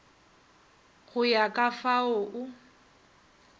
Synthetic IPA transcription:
ɣʊjakʼafaʊʔʊ

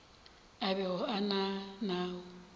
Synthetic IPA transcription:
abɛɣʊananaːʊ

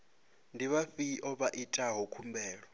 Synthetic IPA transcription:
ndʱiβafiʔɔɓaʔitʼaɦɔkʰumbɛːɺɔ

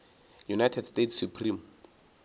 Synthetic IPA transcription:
junajtʰɛdstetʰsjupʰrim

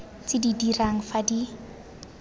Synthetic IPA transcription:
t͡sɪdidiraŋ̩fadi

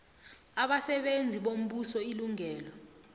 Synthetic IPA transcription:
aɓasɛɓend͡zʱiɓom̩ɓusɔiluŋɛːlɔ

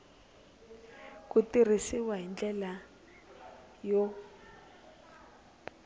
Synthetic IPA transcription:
kutir̤isiwaɦind͡ɮɛla | jɔ

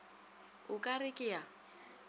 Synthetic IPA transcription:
ʊkʼarɪkʼɪja

